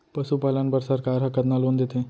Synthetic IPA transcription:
pəsupaːlənpəɾsɐɾkaːɾɦɐkət̪naloːnd̪et̪ʰẽ

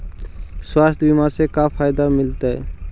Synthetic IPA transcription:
swaːst̪ʰbimãsekaːpʰaːjd̪amɪlt̪aɦɛ̰

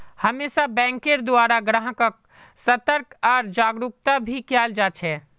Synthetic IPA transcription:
həmesabɛ̃ŋkeɾd̪oaːɾaɡɾãɦkək̚ | sət̪əɾkaːɾd͡ʒaɡɾuk̚t̪abʱikald͡ʒat͡ʃʰɛ

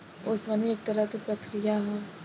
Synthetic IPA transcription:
ʊsʋɐnieːk̚t̪ɐɾəkipɾɐkɾijaɦɛ

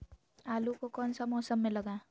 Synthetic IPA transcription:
alukokʌnsʌmɔsʌmːelʌɡã

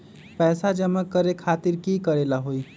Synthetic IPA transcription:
pɛːsad͡ʒəməkːəɾekʰaːt̪ɪɾkikəɾeːlaɦoi

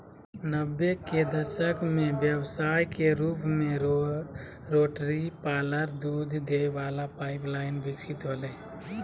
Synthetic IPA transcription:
nəbːeked̪əʃəkmẽbjəwsaːjkeɾuːpmẽ | ɾoːʈɾipaːləɾd̪ud̪ʱd̪eʋaːlapaːɪplaːɪnbɪkt͡ʃʰit̪ɦole

